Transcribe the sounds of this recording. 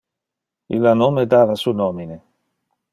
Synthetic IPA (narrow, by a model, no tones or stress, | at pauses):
ḭlanomed̪aːvasunɔmine